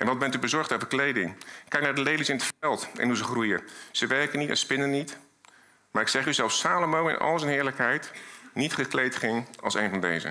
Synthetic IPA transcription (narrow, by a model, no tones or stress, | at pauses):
ʔɛ̰nʋɑd̚bɛntybəzɔɹχtowvəɹklejdɪŋkɛjknaːɹdəlejlisɪnətfɛlˠtɛ̰nɦuzəχrujəz̥əʋɛɹkənitɛ̰nspɪnənit | maːɹɪksɛχyzɛlˠfsaːlomowɪ̰nʔɑ̰lˠzənɦɪːɹləkɦɛjtnitχəklejtχɪŋɑ̰lˠsḛjnvɑndḛjzə̰